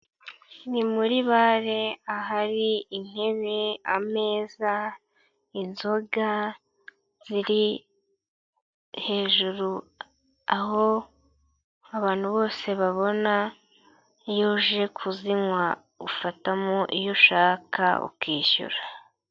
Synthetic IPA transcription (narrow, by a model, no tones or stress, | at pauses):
nimuɾiβaɾe̞aɦaɾiin̥he̞βeame̞ːza | inzo̞ɡa | z̥iɾi | he̞ːʒuɾu | aɦo̞ | aβaːn̥huβo̞ːse̞βaβo̞na | ijoːʒe̞kʰuziŋwa | ufatamo̞ʔijo̞ʃaːkʰa̰ṵkiːɕṵɾa